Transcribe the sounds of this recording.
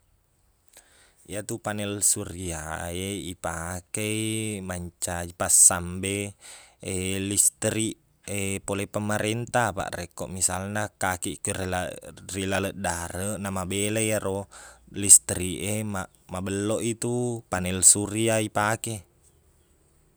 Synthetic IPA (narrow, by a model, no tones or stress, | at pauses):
iat̪upanɛlsuɾiaeipakeimaɲt͡ʃaipasːambe | elist̪ɾiʔ | epolepəmaɾɛnt̪apa̰ʔrekɔ̰ʔmisalnakakiʔkərlarilaləʔdaɾənamabelejaɾolist̪ɾiʔemaʔ | mabəlːoʔit̪upanɛlsuriaipake